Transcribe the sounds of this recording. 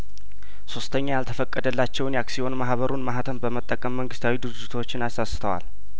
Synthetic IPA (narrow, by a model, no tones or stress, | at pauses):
so̞st̪ʰəɲːajalt̪ʰəfəkʼːəd̪əlːat͡ʃːɛwnjaksio̞nmaɦβəɾunmaɦat̪ʰəmbəmət̪ʼːəkʼəmːəŋɡɨst̪ʰawid̪ɨɾɨd͡ʒːɪt̪ʰwo̞t͡ʃːɪnasasɨ̥t̪ʰəwa̰l